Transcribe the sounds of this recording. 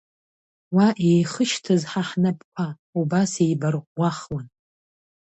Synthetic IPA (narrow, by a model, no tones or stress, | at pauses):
waʔejχəʃtʰɨzħaħnapʰʼkʷʰa | ubasejbarqʷaχwan